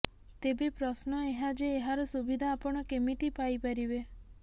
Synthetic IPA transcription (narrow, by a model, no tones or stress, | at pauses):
t̪ebepɾɔsnɔeɦad͡ʒeːɦaɾɔsubid̪ʱaːpɔɽ̃ɔkemit̪ipajpaɾibe